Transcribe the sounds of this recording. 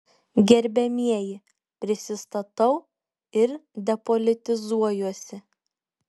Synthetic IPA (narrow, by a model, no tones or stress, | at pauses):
ɡʲɛɾʲbʲɛmʲiɛjɪ | pʲɾʲɪsʲɪst̪ɐt̪ɐʊ | ɪɾd̪ʲɛpolʲɪt̪ʲɪzuɔjuɔsʲɪ